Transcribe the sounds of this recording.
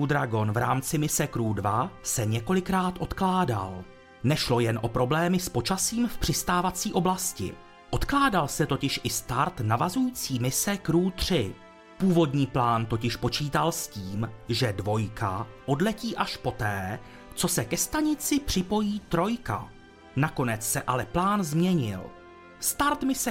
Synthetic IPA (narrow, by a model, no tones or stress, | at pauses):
ud̪ɾaɡo̞nvɾa̰ːmt͡sɪmɪsɛkɾuːdvasɛɲɛko̞lɪkɾaːt̪ʔo̞t̪klaːda̰l | nɛʃlo̞jɛnʔo̞pɾo̞blɛːmɪspo̞t͡ʃasiːmfpr̥ɪst̪aːvat͡siːʔo̞blascɪ̰ | ʔo̞t̪klaːdalsɛt̪o̞cɪʃʔɪst̪aɾt̪navazujiːt͡siːmɪsɛkɾuːt̪r̝̥ɪ | puːvo̞dɲiːplaːnt̪o̞cɪʃpo̞t͡ʃiːt̪alsciːmʒɛdvo̞jkaʔo̞dlɛciːʔaʃpo̞t̪ɛː | t͡so̞sɛkɛst̪aɲɪt͡sɪpr̝̥ɪpo̞jiːt̪ɾo̞jka̰ | nako̞nɛt͡ssɛʔalɛplaːnzmɲɛɲɪ̰l | st̪aɾt̪mɪsɛ